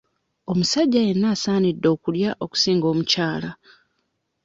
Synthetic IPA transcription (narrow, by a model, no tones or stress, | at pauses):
o̞musaɟːaje̞nːaːsaːnidːo̞ːkuljaʔo̞ku̥siːŋɡo̞ːmucaːla